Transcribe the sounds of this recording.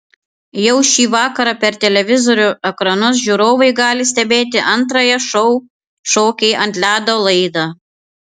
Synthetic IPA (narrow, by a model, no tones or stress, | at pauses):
jɛʊʃʲiːʋɑːkɐɾɑpʲɛɾt̪ʲɛlʲɛʋʲɪzoɾʲʊɛkɾɐnʊs̬ʒʲuɾoːʋɐɪɡɑːlʲɪsʲt̪ʲɛbʲeːt̪̬ʲɪʔɐnt̪ɾɐjɛʃɔʊ | ʃoːkʲɛɪʔɐnʲt̪ʲlʲæːd̪oːlˠɐɪd̪ɑː